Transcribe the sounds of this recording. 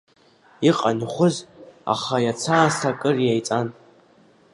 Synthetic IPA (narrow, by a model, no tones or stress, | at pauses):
iqʼanχʷʊza̰χajat͡sʰaːsakʼɨrjajt͡sʼan